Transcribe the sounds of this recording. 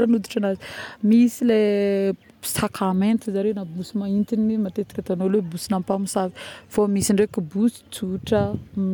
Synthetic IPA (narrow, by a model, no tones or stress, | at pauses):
ɾanud̪iʈ͡ʂanazi̥misile | sakɾamẽnt̪izaɾewnabusimaint̪inimat̪et̪i̥kʲat̪anolebusinampamusavi̥fomisiɳɖ͡ʐekubusi̥t͡suʈ͡ʂəm